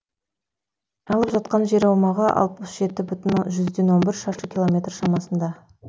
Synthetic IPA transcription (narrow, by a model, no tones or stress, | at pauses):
ɑlˠəpʒɑt̪qɑnʒe̞ɾɑwmɑʁɑʔɑ̰lˠt̪əʊsʒe̞t̪ɪbʏt̪ɪnʒʏzd̪e̞nwo̞nbɪɾʃɑʃəkʲilˠo̞mʲe̞t̪rʃɑmɑsənd̪ɑ